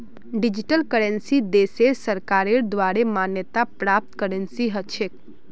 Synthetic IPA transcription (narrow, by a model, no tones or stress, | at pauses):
ɖid͡ʒiʈəlkəɾensid̪eseɾsəɾkaɾeɾd̪ʋaɾemanjət̪apɾap̚t̪kəɾənsiɦət͡ʃʰek